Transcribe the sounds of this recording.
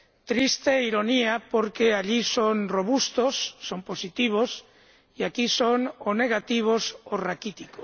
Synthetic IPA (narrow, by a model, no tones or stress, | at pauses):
t̪ɾist̪eiɾo̞niapoɾkeaʎisonroβ̞ust̪osːo̞mpo̞sit̪iβ̞os | iakisonone̞ɣ̞at̪iβ̞osorakit̪iko